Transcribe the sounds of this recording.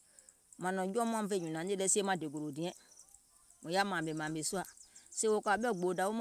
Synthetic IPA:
mã˨nɔ̃˨d͡ʒɔ˦m˦ã˦m˦ve˦ɲũ˨nã˨n˦e˦dɛ˦si˦e˦mã˨de˨ɡo˨ɾo˨dĩ˨˦ɛ̃˦ | mũ˨ja˦mã˨be˨mã˨be˨su˦a˨se˦wo˨ka˨bɛ˦˨ɡ͡bo˨da˨wo˦m˦

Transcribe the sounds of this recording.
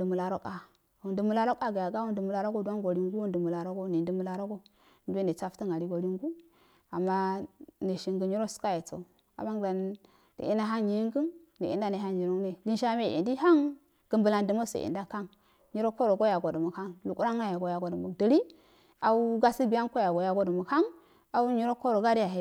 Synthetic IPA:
də˨mu˨la˨ɾo˦ka˨ | wu˨ndə˨mu˦la˦ɾo˦ka˦ɡa˨ja˨ɡa˦wu˦ndə˨mu˨la˦ɾo˦ɡo˦du˦a˦nɡo˨ɾi˦ŋɡu˦wu˦ndə˨mu˨la˨ɾo˦ɡo˦ne˨də˦mu˦la˦ɾo˦ɡo˦ | n˦du˦e˦ne˨t͡sa˦ftə˦ŋɡa˨ɾi˦ɡo˨ɾi˦ŋɡu˦ | a˨mːa˦ne˨ʃi˨ŋɡə˨ɲi˦ɾo˦su̥˦ka˦je˨t͡so̰˨u˨ | a̰˨ba˦ŋɡa˨n | d̥ə̰˨i˦na˦ɦa˦nji˨ji˦ŋɡə˦ndə˨ḭ˨nda˦ne˨ɦa˦nɲi˨ɾo˦ne˦di˦nʃa˦me˦˨ḛ˨ndi˦ɦa˦ŋ | ɡ̥ə˨mbə˨la˨ndə˨mo˦sḛ˨ḭ˨nda˦ka˦ŋ | ɲi˦ɾo˦ko˦ɾo˨ɡo˦ja˨ɡo˨də˨mu˨ka˦ŋlu˨ku˦ɾa˦ŋa˦ja˨ɡo˨ja˨ɡo˨də˨mu˨də˨ɾi˦ | a˨u˦ɡa˦si˦bi˨ja˦ŋko˦ja˨ɡo˨ja˨ɡo˦də˨mu˨kha˦ŋ | a˨u˦ɲi˦ɾo˦ko˦ɾo˨ɡa˦ɾi˦ja˨ɦe˨

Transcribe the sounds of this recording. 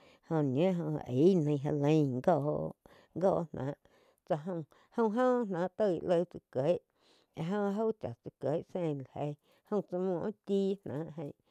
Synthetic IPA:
hõ˧ɲẽ˦ɦõ̰˧˨ʔe˨˦nə̃˧˨˧ɦa̰˧lə̃˧˦˨ŋɡɔː˧˨ | ŋɡɔː˦˧˨nnã̰ː˨˦ʔ | t͡sa˧ɦõ˧ | hõ˧w̃ɦõ˦˧nnãː˨˦ʔt̪ə˦˧˨ḭ˧˨ʔlə˧˨t͡sɨ˧ke˨˦ʔ | e˧ɦõ˧ɦo˦t͡ʃa̰˨t͡sɨ˧ke˨˦ʔsẽ˦˧˨la˨he˧˨ | hõ˧wt͡sa˧mũ˧˨ʔt̪iː˦nã̰ː˨˦ʔɦə̃˧˨ʔ

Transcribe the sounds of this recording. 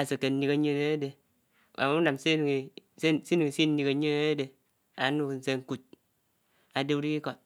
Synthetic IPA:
a˨se˨ke˨n̩˦ni˦ka˦ɲe˦ne˦de˨ | a̰˨m˦u˦na˨mse˦n˨ssi˦ni˨ŋi˨si˦n̩˦ni˦ka˨ɲe˦ne˦de˨ | a̰˨˦nu˦kn̩˨se˦ŋ̩˦ku˨t̚ | a˨de˦u˦ɾi˦ki˦ko˨

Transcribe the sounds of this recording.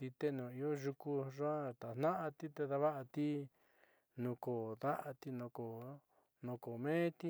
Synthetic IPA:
t̪i˧t̪e˦nũː˨i˧jo˦ʒu˧ku˧ʐã˦t̪a˨nã˦ʔa˧t̪i˦t̪e˧ða˧βa˦ʔa˧t̪i˦ | nũ˧koː˨ða˦ʔa˧t̪i˧nũ˧ko˨ | nõ˧ko˨mẽː˦t̪i˦

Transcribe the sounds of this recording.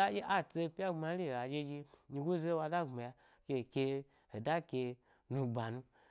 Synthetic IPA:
a˦i˦ʔa˦t͡se˧pi˦a˦ɡ͡bma˨˧˦i˦˨a˨d͡ʒe˧d͡ʒi˧ɲi˧ɡu˦ze˦wa˧da˦ŋ͡mma˨ja˧ | kʲe˧˨kʲe˧ | ho˨da˦ke˧ | nũ˧ɡ͡ba˨nu˧

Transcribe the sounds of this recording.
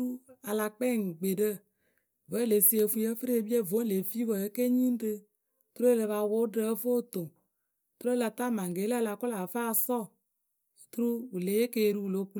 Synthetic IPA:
u˦a˨la˨k͡pe˦˨ŋ˨ɡ͡be˨ɖə˦ | və˨˦le˨si˨e˨fu˦e˦fɾe˦e˨bi˦e˦vo˨˦le˨fi˦və˨e˦ke˦ɲĩ˦n˦ɖe˦ | t̪ɾo˦e˦˨le˨βa˨wo˦ɖe˦fo˦t̪o˨ | t̪ɾo˦e˦la˨t̪a˦mã˨ŋ˨ɡe˨˦la˦˨la˨ko˦la˨fa˦˨sɔ˦˨ | t̪ɾu˦wu˨le˨je˦ke˦˨ɖu˦wu˨lo˨˦ku˦

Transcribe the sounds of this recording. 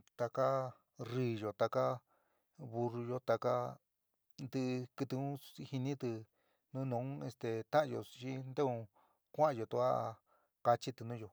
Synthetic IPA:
t̪a˧ka˦ | riː˧jo˨t̪a˧ka˦ | βu˧ru˧jo˦t̪a˧ka˦ | nd̪ɨ˧kɨ˧t̪u˧ũ˦˧hi˧nĩ˦t̪ɨ˧ | nũ˦nũ˧˨˦e˧st̪e˧t̪ã˦ã˧jo̰˧˨t͡ʃi˦nd̪e˦ũ˧ | kʷã˦ã˧jo˨t̪u˧a˦˧ | ka˧t͡ʃi˦t̪u˧nũː˦jo˨

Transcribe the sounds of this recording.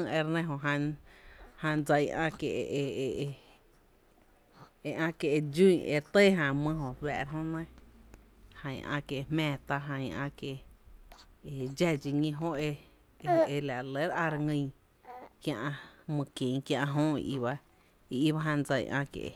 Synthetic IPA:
ɨ̃˦˧e˧ɾnẽ˦˧ɦõ˧˨ɦã˧ | hã˧nd͡zə˧jʔã̰˧ke˨ʔʔe˧ | e˧ʔã˧ke˧ʔe˧d͡ʒũ˦˨ḛ˧ɾt̪e˦ɦã˧˨mɨ̃˧ɦõ˨ɸɛ̰˧˨ʔɾɦõ˦nẽ˦ | hã˧j̰̃ʔã̰˧ke˨˧hmɛ̃ː˧˨t̪a˧ʔɦã˧ĩ˧ã̰˧ke˨ | e˧d͡ʒɛ˧d͡ʒi˧ŋĩ˧ɦõ˦e˧ | e˧la˨˧le˨˦ɾʔã˧ɾa˧ŋĩ˧˨ | kjã˧ʔa˧mɨ̃˧kẽ˨˧kjã˧ʔã˧ɦõ˦ḭ˧ʔḭ˧ba˦ | i˧i˦βa˦ɦã˧nd͡zə˧j̰ʔã̰˧kḛ˧ʔḛ˨

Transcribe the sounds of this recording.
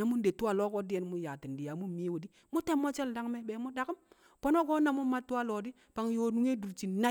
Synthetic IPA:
a˨mu˦n˦de˨tu˦a˨lo˦ko˦di˦je˦n˦mu˦ja˨ti˨n˨di˨ja˨mu˦mi˦wu˨di˦ | mu˦te˦mːo˦t͡ʃe˦lda˦ŋme˦be˨mu˦da˨ki˦m | po˦no˦ɡo˦na˨mu˦ma˦tu˦wa˦lo˨di˦ | pa˨ŋ˨jo˨du˦ŋe˦du˨ɾt͡ʃi˨na˦

